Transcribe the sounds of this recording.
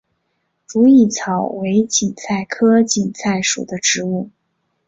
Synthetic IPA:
ʈ͡ʂu˧˥i˥˩t͡sʰɑ˨˩ʊwe˧˥ɪt͡ɕi˨˩nsʰa˥˩ɪkʰɤ˥t͡ɕi˨˩nsʰa˥˩ɪʂṵ˨˩d̪ə˦ʈ͡ʂɻ̩˧˥u˥˩

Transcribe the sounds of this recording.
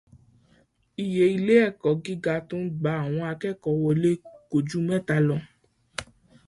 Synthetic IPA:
i˨je˨˦i˧le˦ɛ˦˨kɔ˨ɡi˦ɡa˧˦tũ˦ɡ͡ba˨˦a˨w̃ɔ̃˧a˧kɛ˦˨kɔ˨wɔ˧le˦ko˨d͡ʒu˦mɛ̃˦˨ta˧lɔ̃˧

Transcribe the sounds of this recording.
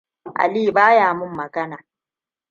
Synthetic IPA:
ʔa̰˨liː˦˨baː˦jaː˨mʊ˦mːɐ˨ɡɐ˦naː˨

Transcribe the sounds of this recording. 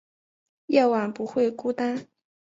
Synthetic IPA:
jɑ˥˩ʊwa˨˩npu˧˥xwe˥˩ɪku˥t̪a˥n

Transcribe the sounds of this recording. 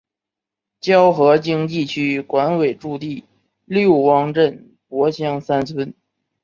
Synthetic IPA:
t͡ɕjɑ˥ʊxɤ˧˥t͡ɕi˥ŋt̪i˥˩t͡ɕʰy˥kwa˧˥nwe˨˩ɪʈ͡ʂu˥˧t̪̬i˥˩ | ljo˥˩ʊwɑ˥ŋʈ͡ʂə˥˩n | pwɔ˧˥ɕjɑ˥˧ŋsa˥nt͡sʰwə˥n

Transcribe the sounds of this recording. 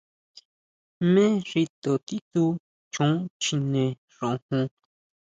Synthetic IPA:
mẽ˦ʐi˧t̪o˨t̪i˦t̪u˧ | t͡ʃõ˨˦t͡ʃi˧nẽ˨ | ʐõ˨hũ˧

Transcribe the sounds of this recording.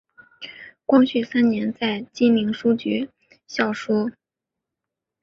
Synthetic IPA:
kwɑ˥ŋɕy˥˩sa˥nnjɛ˧˥nt͡sa˥˩ɪt͡ɕi˥nli˧˥ŋʂu˥t͡ɕy˧˥ | ɕjɑ˥˩ʊʂɔ˥

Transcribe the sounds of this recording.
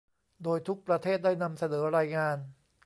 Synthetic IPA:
doː˧jt̪ʰu˦˥k̚pɾa˧t̪ʰeː˥˩t̪̚daː˥˩jna˧msa˧nɤː˩˦ɾaː˧jŋaː˧n

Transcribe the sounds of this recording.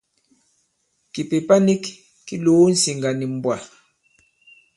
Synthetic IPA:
ki˨pe˨pa˦ni˦kː | i˦loː˨˦n̩˦si˨ŋɡa˨ni˨m̩˨bwa˨

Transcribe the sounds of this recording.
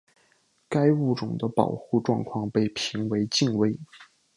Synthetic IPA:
ka˥ɪu˥˩ʈ͡ʂʊ˨˩ŋd̪ə˦pɑ̰˨˩ʊxu˥˧ʈ͡ʂwɑ˥˧ŋkʰwɑ˥˧ŋpe˥˩ɪpʰi˧˥ŋwe˧˥ɪt͡ɕi˥˧ŋwe˥ɪ

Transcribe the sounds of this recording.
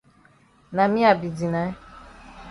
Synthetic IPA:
na˨mĩ˦a˨bi˨di˨na˨˦

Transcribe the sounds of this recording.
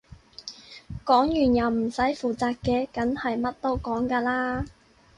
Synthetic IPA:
kɔː˨˥ŋjyː˨˩njɐ˨˩wm̩˨˩sɐ˨˥jfuː˨˩t͡saː˧k̚kːɛː˧kɐ˨˥nhɐ˨jmɐ˥t̚t̪o˥wkɔː˨˥ŋkaː˧laː˥

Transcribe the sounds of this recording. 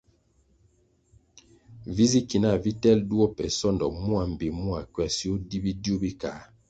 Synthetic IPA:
vi˦zi˦ki˨na˦˨vi˦tɛ˦ldu˦ɔ˦pɛ˨sɔ˦˨ndɔ˨mu˦a˨m˨bi˨mu˦a˨kɥɛ˨si˦o˦di˦bi˦dju˦bi˦ka˨˦

